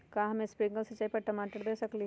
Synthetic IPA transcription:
kãːɦɐmẽspɾɪ̃ŋɡəlsɐt͡ʃːaːipɐɾʈɐmaːʈəɾd̪eːsɐkli

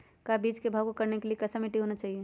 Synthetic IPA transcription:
kabid͡ʒkebʱakokəɾnekeliekəsəmiʈiɦonat͡ʃaːɦie

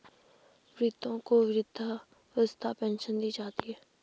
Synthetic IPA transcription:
ʋɾɪt̪õːkoːʋɪɾɪd̪ʱa | əst̪ʰaːpɛ̃ːnʃənd̪iːd͡ʒaːt̪iɦɛː

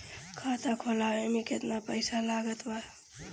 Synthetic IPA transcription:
kʰat̪akʰolaemiket̪napəjsalaɡət̪ba

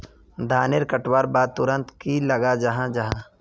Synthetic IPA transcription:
d̪ʱaːnɪɾkəʈwaːɾbaːd̪̚t̪ʊɾə̃nt̪kilɐɡad͡ʒɐɦãd͡ʒɐɦã

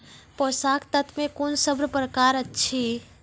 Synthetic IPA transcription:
pɔsakʰt̪ət̪ʰmekonsəbɾpɾəkaɾətːt͡ʃʰi

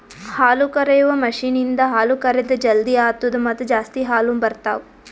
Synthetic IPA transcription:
haːlukɐɾɐjuʋɐmɐʂiːnind̪ɐɦaːlukɐɾed̪ɐd͡ʒɐld̪iaːt̪ʋɐd̪ɐmɐt̪ːɐd͡ʒaːst̪iɦaːlumbɐɾt̪a̰ːʋu

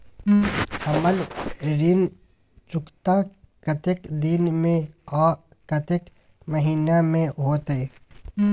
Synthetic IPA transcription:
ɐməlɾin | t͡ʃʊkt̪ãkət̪ekd̪inmẽɔː | kɐt̪ek | məɦiːnamẽɦoːt̪eː

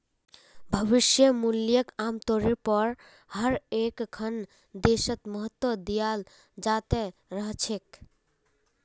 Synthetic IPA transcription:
bʱəβiʃjəmuljəkamt̪oɾiɾpɔɾ | həɾekkʰən | d̪eʃət̪mɔɦət̪ːwɔd̪ijal | d͡ʒat̪eɾəɦt͡ʃʰek

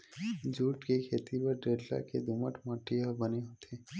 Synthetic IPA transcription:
d͡ʒuːʈkekʰeːt̪ipəɾɖeːɖla̰kḛd̪uməʈmaːʈijabəneɦot̪ʰeː

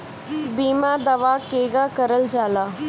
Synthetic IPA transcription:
biːmaːd̪ɐʋaːkeːɡaːkəɾəld͡ʒaːlaː

